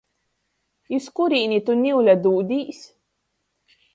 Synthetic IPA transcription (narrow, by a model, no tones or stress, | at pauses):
juskuɾiːnit̪unʲiwlʲad̪uːd̪iːs